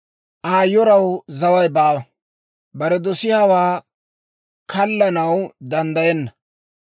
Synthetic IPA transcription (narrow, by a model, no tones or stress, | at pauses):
ʔaːjːɔɾɐwzɐwɐjbaːwɐ | bɐɾɛd̪ɔsɪhɐwaː | kɐlːɐnɐwd̪ɐnd̪ɐjɛnːɐ